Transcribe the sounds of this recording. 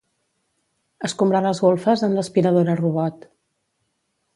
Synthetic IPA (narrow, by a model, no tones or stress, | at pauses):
əskumbɾaləzɣolˠfəzənləspiɾəðoɾəruβɔt̪